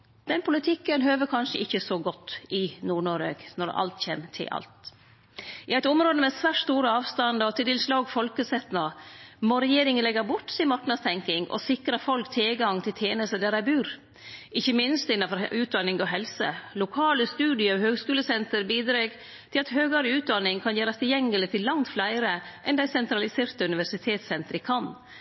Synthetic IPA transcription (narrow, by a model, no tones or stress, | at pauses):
d̪̥ɛnpʰʊlɪt̪ʰɪkːənɦøːʋəkʰɑnʂəʔɪçːəsɔɡɔt̪ːɪnuːɳoːɾeɡnɔɾɑ̰lt̪çḛːmt̪ʰɪ̰lʔɑ̰lt̪ | ʔɪæɪt̪ʊmɾoːd̪əmɛsʋæːʈst̪uːɾəɑːʋst̪ɑnd̪ɑɔt̪ʰɪlt̪ɪlslɑːɡfɔlkəsɛt̪nɑmɔɾɛjeːɾɪŋənlɛɡəɾbʊʈːsɪmɑɾknɑd̪st̪ʰɛŋkɪŋʔɔ̰sɪkɾɑfɔlkt̪ʰeːɡɑŋt̪ʰɪlt̪ʰjeːnəst̪əd̪æɾæɪbʉːɾ | ɪçːəmɪnst̪ɪnːɑfɔɾʉːt̪̚d̪ɑnːɪŋɔɦɛlsə̰lʊkʰɑːləst̪ʉːd̪ɪəɑʋhøːɡskʉːləsɛnt̪əɾbiːd̪ɾeːɡ | t̪ʰɪlɑt̪ɦøːɡɑɾəʉːt̪̚d̪ɑnːɪŋkʰɑnjæːɾɑst̪ʰɪljɛŋːəlɪt̪ʰɪlːɑŋt̪flæɪɾəʔɛnd̪æɪsɛnt̪ɾɑlɪseːɾt̪əʉnɪʋæʂɪt̪ʰeːt̪sɛnt̪əɾəkʰɑn